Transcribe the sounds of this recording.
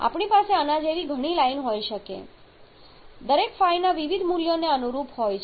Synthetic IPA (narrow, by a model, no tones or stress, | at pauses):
a̰pɳipaseənad͡ʒeʋiɡʱəɽ̃ilainɦojʃəkḛ | d̪əɾekfajnaʋiʋid̪ʱmuljoneənuɾupɦojt͡ʃʰ